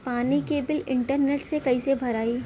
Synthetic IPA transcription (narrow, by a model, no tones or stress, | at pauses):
paːnikebɪlɪ̃ɳʈəɾneːʈsekɐisebʱɐɾaːi